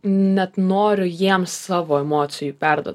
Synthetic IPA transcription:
nʲɛt̪noːɾʲʊjiɛmssɑːʋoːɛmoːt̪sʲɪjupʲæɾd̪ṵɔt

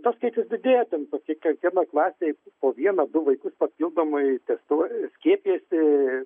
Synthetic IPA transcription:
t̪ɐskɐɪt͡ʃʲɪsd̪ʲɪd̪ʲeːjot̪ʲɛnt̪oːkʲikɐŋkʲiɛnɐklˠɑːsʲeːpoːʋʲiɛnɐd̪ʊʋɐɪkʊspɐpʲilˠd̪oːmʊɪt̪ʲɛst̪uɔsʲkʲiɛpʲijɛsʲɪ

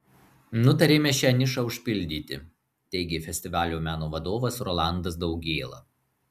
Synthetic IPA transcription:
nʊt̪ɐɾʲeːmʲɛʃʲɛnʲɪʃɐʊʃʲpʲɪlʲd̪ʲiːt̪ʲɪ̰ | t̪ʲɛɪɡʲɪfʲɛsʲt̪ʲɪʋɑːlʲuːmʲæːnoːʋɐd̪oːʋɐsɾɔlˠɑˑnd̪ɐs̬d̪ɒʊɡʲeːlˠɐ̰

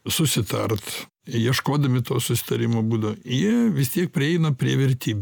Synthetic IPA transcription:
sʊsʲɪt̪ɐrt̪ | jiɛʃkoːd̪ɐmʲɪt̪oːsʊsʲɪ̥t̪ɐɾʲɪmoːbuːd̪ɐʋojiɛʋʲɪst̪ʲiɛk̚pʲɾʲɪɛɪnɐpʲɾʲiɛʋʲɛɾʲt̪ʲiːbʲ

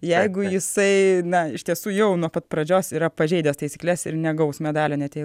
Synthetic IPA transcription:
jɛɪɡʊjɪsɐɪnɐɪʃt̪ʲiɛsuːjɛʊnuɔpɐt̪̚pɾɐd͡ʒʲoːsiːɾɐpɐʒʲɛɪd̪ʲɛst̪ɐɪsʲiːklʲɛsɪɾnʲɛɡɐʊsmʲɛd̪ɑːlʲoːnʲɛt̪ʲeɪ

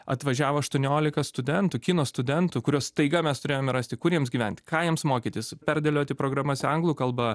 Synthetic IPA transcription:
ɐ̰t̪ʋɐʒʲæːʋoːɐʃt̪uɔnʲoːlʲɪkɐst̪ʊd̪ʲɛnt̪ʊːkʲɪnoːst̪ʊd̪ʲɛnt̪ʊkʊɾʲoːst̪ɐɪɡɐmʲɛst̪ʊɾʲeːjoːmʲɛɾɑːsʲt̪ʲɪkʊɾʲiɛmsɡʲiːʋʲɛnʲt̪ʲkɑːjɛmsmoːkʲit̪ʲɪspʲɛrʲd̪ʲɛlʲoːt̪ʲɪpɾoːɡɾɑːmɐsʲɐŋɡlˠuːkɐlˠbɐ

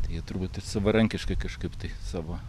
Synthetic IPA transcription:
t̪ɐɪjiɛt̪ʊɾbuːt̪ɪsɑʋoːɾɐŋʲkʲɪʃkɐɪkɐʃkɐɪpt̪ɐɪsɑːʋoː

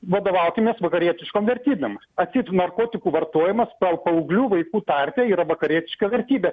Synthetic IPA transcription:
ʋɐd̪oːʋɐʊkʲɪmʲeːsʋɐkɐɾʲiɛt̪ʲɪʃkoːmʋʲɛɾʲt̪ʲiːbʲɛm | ɐt̪ʲsʲiːtnɐrkoːt̪ʲɪkuːʋɐrt̪oɔjɪmɐspɐpɐʊɡlʲuːʋɐɪkuːt̪ɑɾʲt̪ʲeːiːɾɐʋɐkɐɾʲiɛt̪ʲɪʃkɐʋʲɛɾʲt̪ʲiːbʲɛ

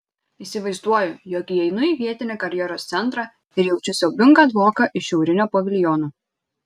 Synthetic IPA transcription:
iːsʲɪʋɐɪzd̪uɔjʊjɔkiɛɪnʊiːʋʲiɛt̪ʲɪnʲeːkɐɾʲjɛɾoːst̪sʲɛnˑt̪ɾɑː | ɪɾjɛʊt͡ʃʲʊsʲɛʊbʲɪŋɡɐd̪ʋoːkɐʔɪʃʲɛʊɾʲɪnʲoːpoʋʲɪlʲjɔnuː

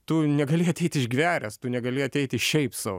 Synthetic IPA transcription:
t̪ʊnʲɛɡɐlʲɪɐt̪ʲɛɪt̪ʲɪʒɡʲʋʲæːɾʲɛst̪ʊnʲɛɡɐlʲɪɐt̪ʲɛɪt̪ʲɪʃʲɛɪpsɑʋ

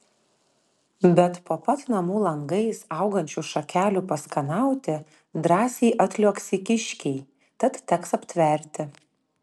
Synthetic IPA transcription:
bʲɛt̪poːpɐt̪nɐmuːlˠɐŋɡɐɪsɑˑʊɡɐnʲt͡ʃʲuʃɐkʲæːlʲuːpɐskɐnɑˑʊt̪ʲɪ | d̪ɾɑːsʲɛːʔɐt̪ʲlʲoːksʲɪkʲɪʃʲkʲɛɪ | t̪ɐt̪t̪ʲɛksɐpʲt̪ʲʋʲɛɾʲt̪ʲɪ

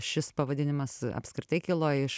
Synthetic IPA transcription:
ʃʲɪspɐʋɐd̪ʲɪnʲɪmɐsɐ̰pʲskɾʲɪt̪ɐɪkʲɪlˠoːjɪʃ

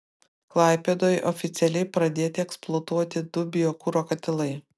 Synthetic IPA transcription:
klˠɑˑɪpʲeːd̪oːjʔɔfʲɪt̪sʲɛlʲɛɪpɾɐd̪ʲeːt̪ʲɪɛksplˠoːt̪uɔt̪ʲɪd̪ʊbʲɪjoːkʊɾoːkɐt̪ʲɪlˠɐɪ

